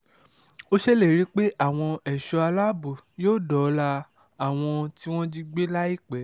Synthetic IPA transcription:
o˦ʃɛ˦le˦˨ɾi˦k͡pe˦ʔa˦˨w̃ɔ̃˧ɛ˨ʃɔ˧a˧la˦bu˨joː˦˨dɔ˨˦la˧ | a˦˨w̃ɔ̃˧ti˦w̃ɔ̃˦d͡ʒi˧ɡ͡be˦la˦i˦˨k͡pɛ˨˦

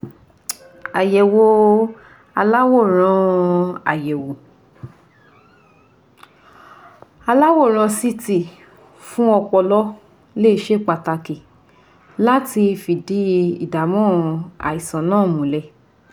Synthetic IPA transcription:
a˨jɛ˨wo˧ | a˧la˦wo˦˨ɾ̃ã˧a˨jɛ˨wo˨ | a˧la˦wo˦˨ɾ̃ã˧si˦ti˦˨ | fũ˦ɔ˧k͡pɔ˧lɔ˦ | le˦i˧ʃe˦˨k͡pa˧ta˧ki˨ | la˦ti˧fi˨di˨˦ḭ˨da˨mɔ̃˦a̰˨i˨sã˨˦nãː˦˨mũ˨lɛ˧

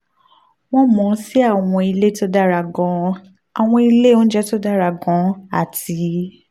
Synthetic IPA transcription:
w̃ɔ̃˦mɔ̃˨˦si˦a˦˨w̃ɔ̃˧i˧le˦to˦da˦ɾa˧˨ɡɔ̃˧˦ | a˨w̃ɔ̃˧i˧le˦o˦d͡ʒɛ˦to˦da˦ɾa˧˨ɡɔ̃˨˦a̰˦˨ti˨˦

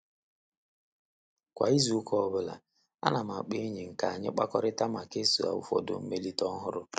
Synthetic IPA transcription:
kʷa̰˨i˦zu˨u˦kʰɔ˦bʊ˦la̰˨ | a̰˦na˨ma˨k͡pe˦ɲi˨ŋ̩˨ka˨a˨ɲɪ̰˦k͡pa̰˦kɔ˦ɾɪ˦ta˦ma˨ke˦su˨a̰˨ʊ̰˦fɔ̰˨dʊ̰˨m̩˦me˦li˦tɔ˦ɦʊ˦ɾʊ˦

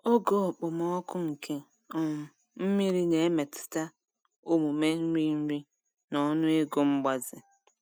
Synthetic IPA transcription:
o˦ɡo˦˨k͡pʊ˨mɔ˦kʊ˦ŋ̩˨kʰe˦ | ɔ˨mʊ˨ | m̩˦mi˦ɾi˦ne˨e˦me˨tɪ̥˨ta˦ | o˦mu˨me˦n̩˦ɾi˦n̩˦ɾi˦ | nɔ˦nʊ˦e˦ɡo˦ŋ͡m̩˦ɡ͡ba˦zɪ˨

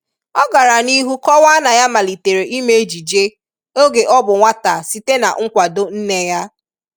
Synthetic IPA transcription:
ɔ˦ɡa˨ɾa˨ni˦ɦu˦kɔ˦wa˦na˨ja˦ma˨li˨te˨ɾe˨ʔi˦me˦e˦d͡ʒi˨d͡ʒe˦ | o˦ɡe˨ʔɔ˦bʊ˨ŋʷa˦ta˨si˦te˦na̰˨ŋ̩˦kʷa˨do˦n̩˦ne˦ja˦

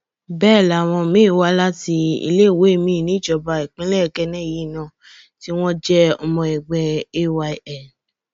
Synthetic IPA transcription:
bɛː˦˨la˨˦˨w̃ɔ̃˧mĩ˨˦˨wa˧la˦ti˧ḭ˧le˦˨we˨˦e˦˨mĩ˦˨nĩ˨˦˨t͡ʃɔ˧ba˧i˨k͡pĩ˦lɛ˦˨kɛ˧nɛ̃˦˨ji˨˦˨nã˧˦˨ | ti˦w̃ɔ̃˦d͡ʒɛ˦ɔ˧mɔ̃˧ɛ˨ɡ͡bɛ˧e˦˨wa˧˨ɛ˨

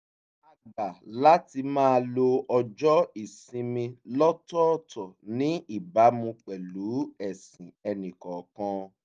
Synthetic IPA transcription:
a˨ɡ͡ba˨la˦ti˧mãː˦˧lo˧ɔ˧d͡ʒɔ˦i˦˨sĩ˧mĩ˧lɔ˦tɔ˦˨tʰɔ˨nĩ˦i˦˨ba˨˦mũ˧k͡pɛ˨lu˨˦ɛ˦˨sĩ˨ɛ˧nĩ˨kɔ˨kɔ̃˧

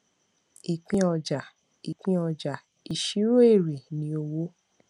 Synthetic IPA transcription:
i˨k͡pĩ˧˦ɔ˧d͡ʒa˨ | i˨k͡pĩ˧ɔ˧d͡ʒa˨ | i˨ʃi˨˦ɾo˦e˦˨ɾe˨nĩ˨˦o˧wo˦

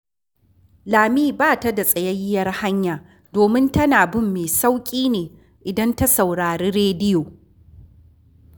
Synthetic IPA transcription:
laː˨miː˦baː˦˨ta˦da˨sʼɐ˨jɐ˦jɪ˦jɐ˦rha˦ɲjaː˨ | doː˨mɪ˦ntɐ˦naː˨bɪ˦mːeː˨sa˦wkʲʼiː˦neː˨ | ʔɪ˨dɐ˦nta˦sa˨wɽaː˨ɾeː˦ɽeː˦dɪ˦joː˨

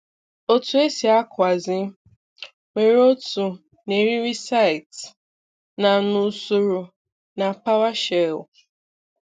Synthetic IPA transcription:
o˦tu˦e˦si˨a˦kʷa˨zɪ˦ | me˨ɾo˦tu˨ | ne˨ɾi˦ɾi˦sa˦ɪ˨t | na˨nu˨˦su˨ɾu˨ | na˨pa˦wa˦ʃe˨l

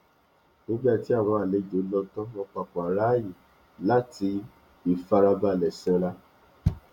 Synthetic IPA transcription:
ɡo˦ɡ͡ba˦˨ti˨˦a˦˨w̃ɔ̃˧a˨le˨˦˨d͡ʒo˨˦lɔ˦˧n̩˦tɔ̃˦wɔ̃˧k͡pa˨k͡pɔ̃˨a˨ɾa˦ji˦˨ | la˦tʰi˧˦ | i˨fa˧ɾa˧ba˧˨lɛ˨sɛ̃˨˧ɾa˦

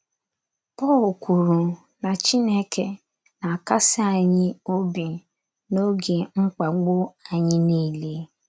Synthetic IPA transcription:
pɔː˦˨lku˨ɾu˨ | na˨t͡ʃi˦ne˦kʰe˨ | na˨a˨ka˦sɪ˦a˨ɲɪ˦o˦bi˨ | no˦ɡe˨ŋ͡m̩˦k͡pa˨ɡ͡bo˦a˨ɲɪ˦ni˦˨le˦

